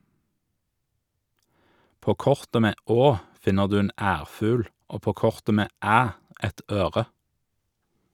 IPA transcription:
ˈpoː ˈkɔʁtə ˈmeː ˈoː ˈfɪnəʁ ˈdʉː ˈeːn ˈæːʁˌfʉːl ˈoː ˈpoː ˈkɔʁtə ˈmeː ˈæː ˈʔɛt ˈøːʁə

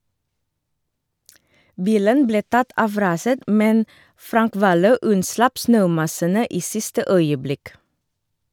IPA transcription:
ˈbiːlən ˈbleː ˈtɑt ˈɑʋ ˈɾɑːsət ˈmɛn ˈfɾɑŋk ˈʋɑːløː ˈʉnˌslɑp ˈsnøːˌmɑsənə ˈiː ˈsɪstə ˈœʏəˌblɪk

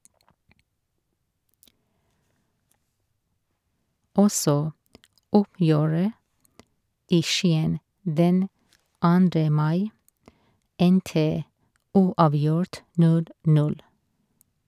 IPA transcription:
ˈɔsɔ ˈʊpjøːɹə ˈiː ˈʃiːən ˈdɛn ˈɑːndɾə ˈmɑɪ ˈɛntə ˈuːɑːˌʋjʊɹt ˈnʉl ˈnʉl

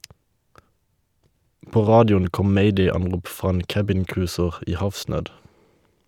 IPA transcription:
ˈpoː ˈʁɑːdɪʊn ˈkɔm ˈmeɪdeɪɑnˌʁuːp ˈfʁɑː ˈeːn ˈkæbɪnˌkʁʉːsəʁ ˈiː ˈhɑfˌsnøːd

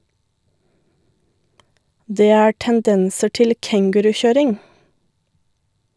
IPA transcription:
ˈdeː ˈæː ʈənˈdɛnsə ˈʈɪl ˈkɛŋɡʉɾʉˌçøːɾɪŋ

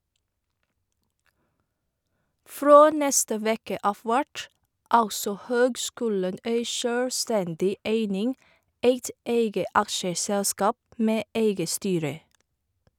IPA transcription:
ˈfɾoː ˈnɛstə ˈʋeːkə ˈɑːf ˈʋæʈ ˈɑlsɔ ˈhøːɡˌskʉːlən ˈeɪ ˈʃøːɽˌstɛndɪ ˈeɪnɪŋ ˈeɪt ˈeɪɡə ˈɑkʃəˌsɛlskɑːp ˈmeː ˈeɪɡə ˈstyːɾə

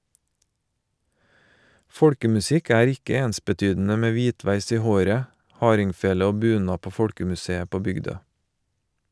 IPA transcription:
ˈfɔɽkəmʉˌsɪk ˈæːɾ ˈɪkə ˈeːnsbəˌtyːdn̩ə ˈmeː ˈʋiːˌtʋæɪs ˈiː ˈhoːɾə ˈhɑːɾɪŋˌfeːlə ˈoː ˈbʉːˌnɑː ˈpoː ˈfɔɽkəmʉˌseːə ˈpoː ˈbʏɡˌdøː

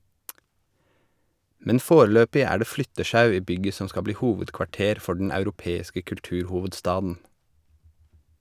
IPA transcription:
ˈmɛn ˈfoːɾl̩ˌøːpɪ ˈæː ˈɖeː ˈflʏtəˌʃɑʉ ˈiː ˈbʏɡə ˈsɔ ˈskɑ ˈbliː ˈhuːʋədkʋɑˌʈeːɾ ˈfɔ ɖɳ̩ ɑʉɾʊˈpeːɪskə kʉlˈtʉːɾhʊʋədˌstɑːdn̩

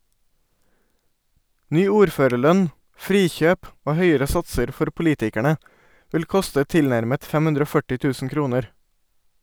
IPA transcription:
ˈnyː ˈuːɾˌføːɾəˌɭœn ˈfɾiːˌçøːp ˈoː ˈhœʏəɹə ˈsɑtsəɾ ˈfɔɾ pʊˈliːtɪkæɳə ˈʋɪl ˈkʊstə ˈtɪlˌnæɾmət ˈfɛm ˈhʉndɾ ˈoː ˈfœʈɪ ˈtʉːsn̩ ˈkɾuːnəɾ

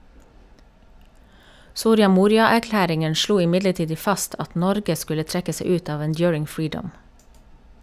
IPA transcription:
ˈsuːɾɪɑ ˈmuːɾɪɑæɾˌklæːɾɪŋən ˈʃluː ɪˈmɪdləˌtiːd ə ˈfɑst ˈʔɑt ˈnɔɾɡə ˈskʉlə ˈtɹɛkə ˈseɪ ˈʉːt ˈɑːʋ ənˈdjʊːɹɪŋ ˈfɹiːɖəm

